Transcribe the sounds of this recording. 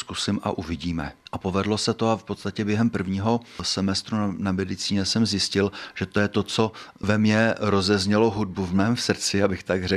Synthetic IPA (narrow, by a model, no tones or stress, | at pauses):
skusɪmʔa̰ʔuvɪɟiːmɛ̰ʔapo̞vɛdlo̞sɛt̪oafpo̞t̪st̪acɛbjɛɦɛmpr̩vɲiːɦo̞sɛmɛst̪ɾunamɛdɪt͡siːɲɛsɛmzjɪscɪlʒ̥ɛt̪ojɛt̪o̞t͡so̞vɛmɲɛɾo̞zɛzɲɛlo̞ɦud̚buvmɛːmsr̩t͡sɪjabɪxt̪aɡr̝ɛ